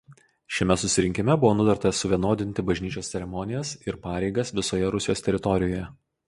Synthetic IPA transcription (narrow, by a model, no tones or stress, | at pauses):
ʃʲɛmʲɛsʊsʲɪɾʲɪŋʲkʲɪmʲɛbʊʋoːnʊd̪ʲɛɾt̪ɐsʊʋʲiɛnoːd̪ʲɪnʲt̪ʲɪbɐʒʲnʲiːt͡ʃʲoːst̪sʲɛɾʲɛmɔnʲɪjɛsɪɾpɑːɾʲɛɪɡɐsʋʲɪsoːjɛɾʊsʲɪjoːst̪ʲɛɾʲɪt̪ɔɾʲɪjoːjɛ